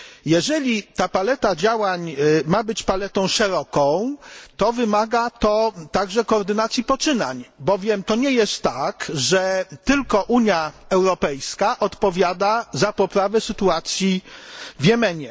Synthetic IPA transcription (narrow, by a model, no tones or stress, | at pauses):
jɛʐɛlʲit̪apalɛt̪ad͡ʑawaɲmabɘt͡ɕpalɛt̪ɔ̃w̃ʂɛɾɔkɔ̃w̃t̪ɔvɘmaɡat̪ɔt̪aɡʐɛkɔːɾd̪ɘnat̪sʲjipɔt͡ʂɘna̰ɲbɔvʲjɛmt̪ɔɲɛjɛst̪ːakʐɛt̪ɘlkɔʔuɲjaɛwɾɔpɛjskaʔɔt̪pɔvʲjad̪azapɔpɾavɛsɘt̪uat̪sʲjivjɛmɛɲɛ